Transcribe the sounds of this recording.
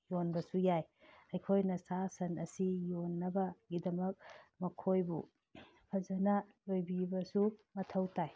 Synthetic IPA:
jonbɐsujajɐjkʰojnɐsasɐnɐsijonːɐbɐɡidɐmɐk̚mɐkʰojbṵ | pʰɐzɐnɐlojbibɐsumɐtʰɐwtaj

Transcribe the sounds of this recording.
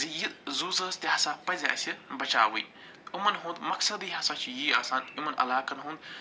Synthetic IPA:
zijizuːzɐst̪ʲiɦɐsaːpɐzʲa̰ːsʲibɐt͡ʃa̰ːʋuj | umɐnɦũːnd̪mɐksɐd̪iːɦɐsaːt͡ʃʰijiːaːsaːnimɐnɐ̰laːkɐnɦũnd̪

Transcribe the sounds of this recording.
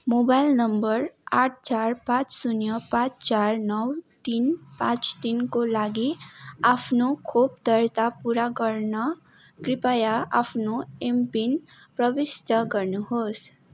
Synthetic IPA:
mobajlnəmbəɾaʈ̚ʰt͡ʃaɾpãt͡ʃsunjəpãt͡ʃt͡ʃaɾnʌwt̪inpãt͡ʃt̪inkolaɡiapʰnokʰob̚t̪əɾt̪apuɾakəɾna | kɾipajaʔapʰnoempin | pɾʌbist̪əɡəɾnuɦos

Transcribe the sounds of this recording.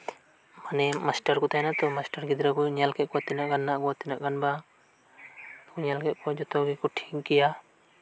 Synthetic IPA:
manɛmasʈaɾkɔt̪ajnat̪ɔmasʈaɾɡid̪ɾakɔɲalkɛt̪̚kɔat̪ɛnaʔɡanːaʔɡɔat̪ɛnaʔɡanba | kɔɲalkɛt̪̚kɔd͡ʒɔt̪ɔɡikɔʈʰi̥ŋkɛja

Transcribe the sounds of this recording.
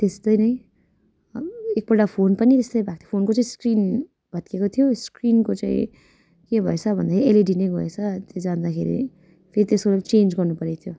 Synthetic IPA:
t̪est̪ʌjnʌj | ek̚bʌʈapʰonpʌnit̪est̪ʌjbʱak̚t̪ʰipʰonkot͡saĩskrin | bʱʌt̪̚kekot̪ʰijoskrinkot͡saḭ̃ | kebʱʌet͡sʰʌbʱʌnd̪aeɾieleɖinʌjbʱʌet͡sʰʌt̪ed͡zand̪akʰeɾḭ | pʰeɾit̪eskolat͡send͡zɡʌrnupʌɾet̪ʰijo

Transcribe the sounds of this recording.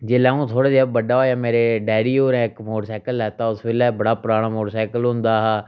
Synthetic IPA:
d͡ʒeːlaːũːt̪ʰoːɽaːd͡ʒebəɖaːɦoːaːmeːɾeːɖɛːɽiːoːɾɛ̃ːɪkmoːʈsɛːkəlɦɛːt̪ãːʊsbeːlɛːbəɽaːpɾaːɽ̃aːmoːʈsɛːkəlɦʊ̃nd̪aːɦɛː

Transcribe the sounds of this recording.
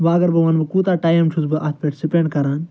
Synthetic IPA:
ʋaːɐɡɐɾbɐʋaːnbɨkuːt̪aːʈaːjɐmt͡ʃʰusbɨʔat̪̚ʰpeːʈsipeɳɖkɐɾaːn

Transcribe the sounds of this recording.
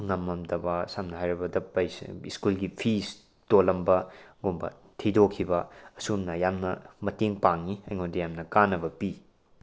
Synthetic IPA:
ŋɐmːɐmdɐbasamnɐɦajɾɐbɐdɐpːɐjsiskulɡipʰis | tolɐmbɐɡombɐ̰ | tʰidokʰːibɐɐsumnɐjamnɐmɐteŋpaŋːiɐjŋondɐjamnɐkanːɐbɐpi

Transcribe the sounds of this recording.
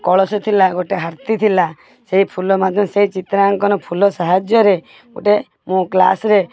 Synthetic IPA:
kɔɭɔsɔt̪ʰilaɡoʈeɦaɾt̪it̪ʰila | seɦipʰulɔmat̪ɔmseɦit͡ʃit̪ɾaŋkɔnɔpʰulɔsaɦad͡ʒjɔɾe | ɡo̰ʈe | mũkla̰sɾe

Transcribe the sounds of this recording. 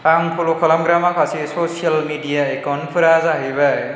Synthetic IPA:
aŋkʰolokʰɔlamɡɾamakʰasisosialmidijaekɔnpʰɾazaɦibaj

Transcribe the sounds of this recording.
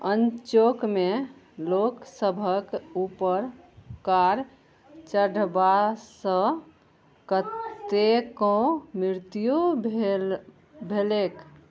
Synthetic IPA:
ənt͡ʃokme | loksəbʱəkupəɾ | kaɾ | t͡ʃəɖbasə̃ | kət̪ekɔ̃miɾt̪ijo | bʱelek

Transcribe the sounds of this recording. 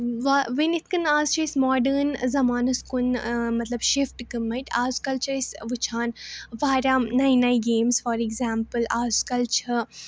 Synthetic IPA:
ʋaʋinit̪̚ʰkɨnaːzt͡ʃʰɐismɔːɖəɾnzɐmaːnɐskunmɐt̪lɐbʃifʈkɨmɐʈʰaːzkɐlt͡ʃʰɐisʋɨt͡ʃʰaːnʋaːɾʲaːnaːjnajɡeːmsfɔːɾiɡzaːmpɨlaːzkɐlt͡ʃʰɐ

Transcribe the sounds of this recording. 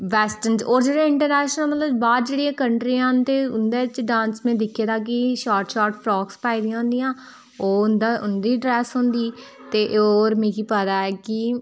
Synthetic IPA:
ʋɛːsʈənd͡ʒoːɾd͡ʒeːɽẽːɪɳʈəɾnɛːʃnəlmət̪ləbbaːd̪̚d͡ʒeːɽiẽːkəɳʈɾiːãːnt̪eːʊnd̪eːɪt͡ʃɖãːnsmẽːd̪ɪkʰːeːd̪aːk̬ɪʃaːɾʈʃaːɾʈfʰɾɔːkspaːiːd̪ɪ̃jãːɦʊ̃nd̪ijãː | oːʊnd̪aːʊnd̪iːɖɾɛːsɦõːnd̪iː | t̪eːʔoːɾmĩːkiːpəd̪aːɛːki

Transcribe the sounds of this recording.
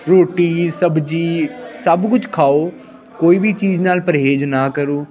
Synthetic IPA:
ɾoːʈiːsəbd͡ʒiːsəbkʊt͡ʃkʰaːoː | koːiːbʱiːt͡ʃiːd͡ʒnaːlpəɾɦeːd͡ʒnaːkəɾoː

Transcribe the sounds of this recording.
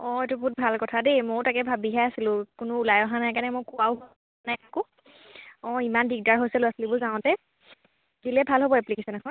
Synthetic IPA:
ɔ̃etubʊt̚bʱalkɔtʰademotakɛbʱabiɦɛasilʊ̃kʊnʊulajɔɦanajkanɛmojkʊaʊɦo | najakʊ | ɔ̃imanbiɡ̚daɹɦojsɛlʊ̃asilibʊzaʊ̃tɛ | zilɛbʱalɦobɔɛplikesɛnɛɦɔ

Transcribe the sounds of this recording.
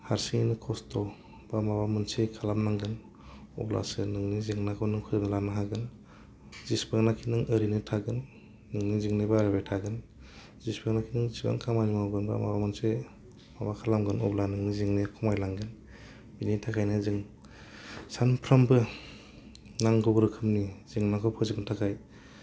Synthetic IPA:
haɾsiŋinɯkʰɔstʰɔ | b̥amabamɯnsekʰalamnaŋɡɯn | ɔ̰bla̰sɯnɯŋniziŋnakʰɔnɯŋkʰɯɾɯnɯlanaɦaɡɯn | z̥ispɯŋnakʰinɯŋəɾinɯtʰaɡɯnː | ɯŋniziŋnebaɾbajtʰaɡɯn | zispeknakʰinɯŋziba̰ŋkʰamanimawɡɯnbɯ̰ma̰amanse | mabakʰalamɡɯnɔ̰blanɯŋniziŋnekʰɔmajlaŋɡɯn | binitʰakʰajnɯzɯŋ | sanpʰɾambɯ | naŋɡɔbɯɾɯkʰɯmniz̥iŋnakʰɔpʰɔzibɯntʰakʰaj

